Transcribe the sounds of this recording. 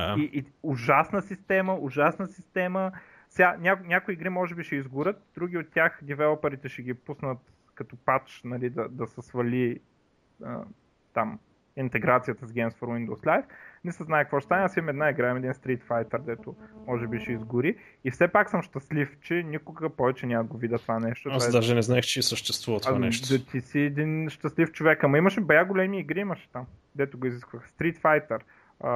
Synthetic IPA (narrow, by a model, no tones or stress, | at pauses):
iʔʊʒasnəsist̪ɛməʊʒasnəsist̪ɛmə | sɡanʲaknʲakʊiːɡɾimɔʒɛbiʃɛizɡʊɾət̪̚d̪̥ɾuɡʲiot̪̚ʲtʲjaxd̪ivɛlˠopəɾit̪ɛʃɛɡʲipusnət̪ | kɐt̪ʊpat͡ʃnɐlid̪ɐd̪ɐsɛsvɐlʲi | ə̰ | t̪am | int̪ɛɡɾat̪sijət̪ɐzɡʲɛmsfəɾwind̪oʊslajfnɛsəznajɛkəkvɔʃɛst̪anʲɛasiɐmɛd̪naiɡɾaɛmɛd̪inst̪ɾit̪fajt̪ɛɾd̪ɛt̪ʊmɔʒɛbiʃɛizɡʊɾi | ifsɛpaksəmʃt̪əslift͡ʃɛnʲikʊɡəpɔvɛt͡ʃɛnʲaməɡovid̪ət̪ovanɛʃt̪oaad̪aʒɛnɛznaɛxt͡ʃɛisəʃt̪ɛst̪vuvɐt̪anɛʃt̪zɐt̪ʰisiɛd̪inʃt̪ɐslift͡ʃovɛkɐmɐiməʃɛbɐjaɡolɛmiːɡɾiimɐʃɛ̥t̪am | d̪ɛt̪ʊɡʊiziskvəxst̪ɾit̪fajt̪ɛɾ | ə